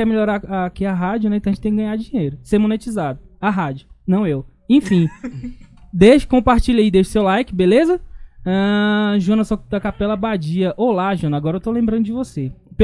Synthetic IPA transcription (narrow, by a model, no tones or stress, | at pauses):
ɛmeʎoɾaɾakiɐɦad͡ʒʊnɛ̃t̪ɐ̃ʒẽt͡ʃt̪ẽkɪɡɐ̃ɲ̃aɾd͡ʒĩɲejɾʊseɾmonet͡ʃizad̪ʊaɦad͡ʒʊnɐ̃w̃ew | ẽfĩ | d̪eʃʊ̥kõpaɾt͡ʃiʎeijd̪ejʃʊ̥sewlajkɪbelezɐɐ̃ʒuõnɐsɔɐɐkapɛlɐbad͡ʒiɐʔowlaʒuɐ̃nɐaɡɔɾɐewt̪olẽmbɾɐ̃d̪ʊd͡ʒɪvosep